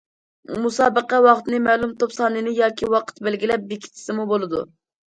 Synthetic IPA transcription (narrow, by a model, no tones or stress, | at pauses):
musɑːbəqɛwɑχt̪nɨmɛːlˠumt̪opsɑːnɨnɨjɑːkʲʰiwɑqʰə̥t̪bælɡʲilɛp̚bekʲʰi̥t̪ʰɪ̥sɪmubolˠɨd̪ṵ